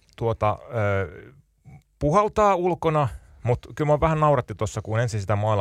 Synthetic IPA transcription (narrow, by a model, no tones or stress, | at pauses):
t̪uot̪ɑøː | puhelt̪ɑːulkonɑ | mut̪kylmoʋæhænnɑurɑt̪ːit̪osːɑkunensinsit̪æmɑːl